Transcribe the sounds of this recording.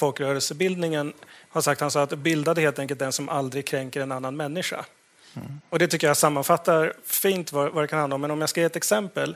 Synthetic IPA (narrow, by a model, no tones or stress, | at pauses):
fɔlkɾœːɾəlsəbɪld̪nɪŋənhaʂak̚t̪hansɔːat̪bɪld̪ad̪əheːlt̪ɛŋk̬əlt̪d̪ɛnsɔmʔald̪ɾɪɡ̚kʰɾɛŋkəɾɛnanːanmɛnːɪʂa̰ | ɔd̪ɛt̪ʰʏkːəjasamːanfat̪ːaɾfiːnt̪vavad̪ɛkanhand̪aɔmːɛnɔmjaskajːiːɛt̪ɛksɛmpəl